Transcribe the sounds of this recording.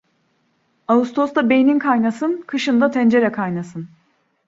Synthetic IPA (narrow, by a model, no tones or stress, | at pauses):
aust̪ʰo̞st̪abejininkʰajnasɯnkʰɯʃɯnd̪at̪ʰɛnd͡ʒe̞ɾɛkʰajnasɯn